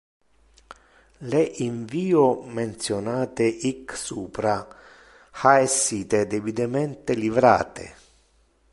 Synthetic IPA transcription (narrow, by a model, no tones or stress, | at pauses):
leʔiɱviːoment̪sjonaːt̪eʔiksuːpɾa | xaesːiːt̪ed̪ebid̪emɛnt̪elivɾa̰ːt̪ḛ